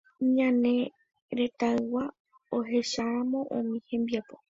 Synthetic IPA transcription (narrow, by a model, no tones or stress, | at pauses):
ɲãnẽ̞ | ɾe̞t̪aɨwa | oɦe̞ʃaãmõ̞ʔõ̰mĩhẽ̞mbiapo̞